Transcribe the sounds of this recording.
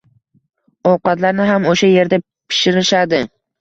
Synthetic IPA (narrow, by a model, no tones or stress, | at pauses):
ɒwqɑt̪laɾnɪɦamoʃaje̞ɾd̪a | pʰɪ̥ʃɪɾɪʃad̪ɪ